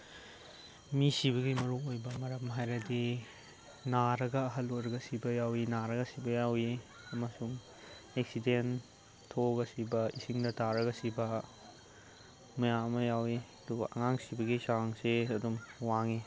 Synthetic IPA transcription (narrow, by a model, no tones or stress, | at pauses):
misiβɐɡimɐɾukojbɐmɐɾɐmɦajɾɐdi | naɾɐɡɐːɦɐlojɾɐɡɐsibɐjawinaɾɐɡɐsibɐjawi | ɐmɐsuŋ | ek̚siden | tʰoɡɐsibɐisiŋdɐtaɾɐɡɐsibɐ | mɐjaɐmɐjawiɐduɡɐʔɐŋaŋsibɐɡisaŋseɐdumwaŋi